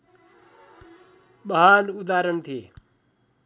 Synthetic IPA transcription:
ɓɐɦaːlʊd̪aːɾəɳt̪ʰi

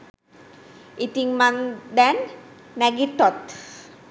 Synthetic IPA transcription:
it̪ĩŋmãnd̪ɛ̃n | mɛɡit̪ːɔt̪

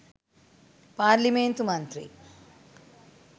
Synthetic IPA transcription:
paːɾliment̪umɐnt̪ɾḭ

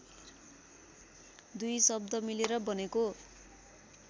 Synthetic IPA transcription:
d̪ujsʌb̚d̪ʌmileɾʌbʌneko

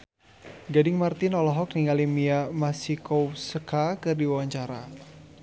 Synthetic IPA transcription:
ɡadɪŋmart̪ɪnɔlɔɦɔk̚niŋalimiamasikosəkakɨrdiwawaɲt͡ʃaɾa

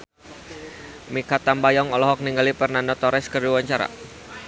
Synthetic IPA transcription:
mikat̪ambajɔŋɔlɔɦɔk̚niŋɡalipərnandɔt̪ɔɾɛskərduwaɲt͡ʃaɾa̰

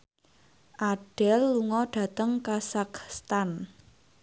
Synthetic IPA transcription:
ʔaɖ̥ɛlːuŋɔɖ̥a̤t̪əŋkasakst̪an

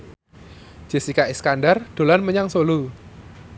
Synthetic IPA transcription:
ʒ̥e̤sikaiskanɖard̪̥o̤lanməɲaŋsolu

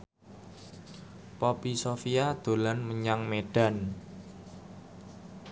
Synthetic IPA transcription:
pɔpisofiad̪̥o̤lanməɲaŋmeɖ̥a̤n

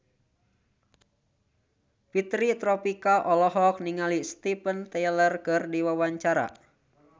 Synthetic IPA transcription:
pit̪ɾit̪ɾɔpikaʔɔlɔɦɔk̚niŋalist̪ipənt̪ɛlərkɨrdiwawaɲt͡ʃaɾa̰

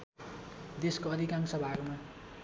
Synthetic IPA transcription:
d̪eskoʌd̪ʱikansʌbʱaɡma

